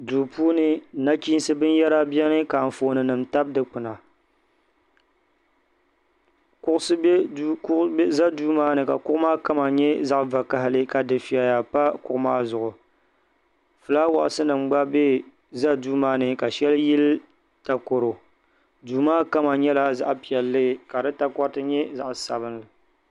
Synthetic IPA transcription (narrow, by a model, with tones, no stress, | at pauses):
du˨puː˦nɨ˦˨na˦ki˦n˦sɨ˦bɨ˦n˦jɛ˦ɾa˦bɛ˦nɨ˦ka˨n̩˨foː˨nɨ˨nɨ˨mta˦b̚dɨ˨k͡pɨ˨na˨ | kʊ˦ʔʊ˦sɨ˦b | za˦duː˦maː˦nɨ˨ka˨kʊ˦ʔʊ˦maː˦ka˦ma˨ɲɛ˦za˦ʔva˨ka˨ɦɪ˦lɨ˦ka˨dɨ˨fi˨a˨ja˨pa˦kʊ˦ʔʊ˦maː˦zʊ˨ʔʊ˨ | fɨ˨la˦wa̰˨ʔsɨ˦nɨ˨mɡ͡ba˦be˦ | za˦duː˦maː˦nɨ˨ka˨ʃɛ˦ljɪ˦l | ta˨ko˨ɾo˨ | duː˨maː˦ka˦ma˨ɲɛ˦la˦za̰˦ʔpi˨ɛ˨lːɨ˦ka˨dɨ˦ta˦kɔ˦ɾtɨ˦ɲɛ˦za˨ʔsa˨βɨ˦nlɨ˨